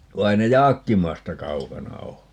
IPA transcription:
ʋɑ ei ne jɑːkːimɑstɑ kɑukɑnɑ oː

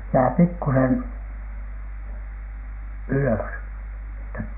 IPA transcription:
jæː pikːusen yløs etːæ

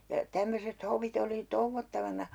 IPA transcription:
jɑ tæmːøset hoʋit oli touʋːotːɑʋɑnɑ

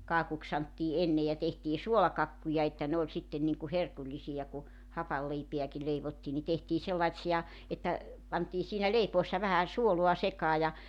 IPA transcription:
kɑːkuks sɑntːiː enːej jɑ tehtiː suolɑkɑkːujɑ etːæ ne olʲ sitːen niŋku herkulʲlisij̆ɑ ku hɑpɑlːeipe̝æki leiʋotːiː ni tehtiː selːɑĭtsiɑ etːæ pɑntiː siːnæ leipoesːɑ ʋæhæ suoluɑ sekɑː jɑ

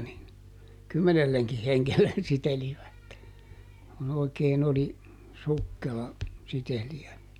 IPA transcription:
nin kymːenelːeŋki heŋkelːen siteliʋæt kun oikeːn oli sukːelɑ siteliæ

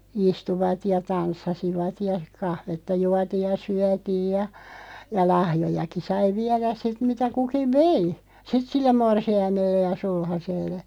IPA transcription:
istuʋɑt jɑ tɑnsːɑsiʋɑt jɑ kɑhʋetːɑ juɑtiːj̆ jɑ syætiːj jɑ jɑ lɑhjojɑki sɑi ʋiæræs sit mitæ kukiʋ̆ ʋei sit silːem morsiɑimelːe jɑ sulhɑselːe

